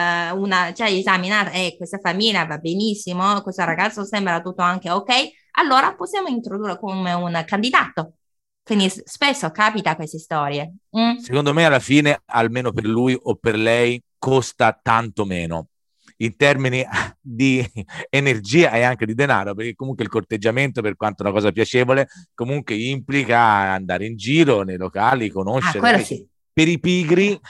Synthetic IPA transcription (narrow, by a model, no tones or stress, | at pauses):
unat͡ʃɛezaminaːt̪aɛkːwest̪afamiljavabːenisːimokwest̪oraɡat̪sːosɛmbɾat̪ːut̪ːoaŋk̟eokɛj | alːoːɾaposːjaːmoint̪ɾod̪urːekomeunkand̪id̪aːt̪o | kwind̪isspesːokapit̪akwest̪est̪ɔːɾjem̩sekond̪omealːafiːnea̰lmeːnoperlujʔopːerlɛjkost̪at̪ant̪omeːno | int̪ɛrminid̪ienerd͡ʒiːaɛaŋked̪id̪ena̰ːɾoperk̟ekːomuŋkweilkort̪ed͡ʒːament̪operkwant̪ounakɔːzapjat͡ʃɛːvolekomuŋkweimplikaand̪aːɾeind͡ʒiːɾonejlokaːlikonoʃːeɾkwelːosi | peɾipiːɡɾi